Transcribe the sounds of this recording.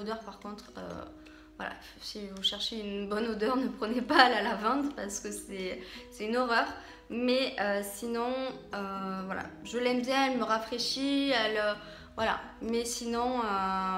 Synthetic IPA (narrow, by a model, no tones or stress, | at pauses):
od̪œʁpaʁkɔ̃t̪χø̰ | vwa̰la̰ | sivuʃɛʁʃeynbɔnod̪œʁnəpχənepaːlalavɑ̃t̪paʁsə̥kəsɛsɛt̪ynɔʁœʁ | mɛøsinɔ̃øvwala̰ʒəlɛmbjɛ̃ɛlməʁafχeʃiɛlø | vwala̰ | mɛsinɔ̃ø